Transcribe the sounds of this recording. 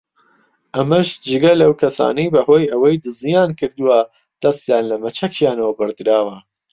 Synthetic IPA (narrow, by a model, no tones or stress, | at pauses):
ʔɐmɐʃd͡ʒɨɡɐlɐwkʰɐsa̰ːnɐjbɐɦo̞ːjɐwɐjd̪ɨzijaːnkɨɾd̪uwɐ | d̪̥ɐst̪jaːnlɐmɐt͡ʃʰɐkʰjaːnɐwɐbɨɾd̪ɨɾaːwɐ